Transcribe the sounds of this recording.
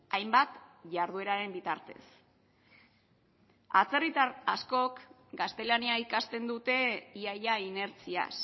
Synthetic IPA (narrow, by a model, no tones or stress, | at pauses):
ajmbat̪ʝaɾð̞ue̞ɾaɾe̞mbit̪aɾt̪e̞̰s | a̰t͡se̞rit̪aasko̞k | ɡast̪e̞laniaikast̪e̞nd̪ut̪e̞iajaine̞ɾt͡sia̰s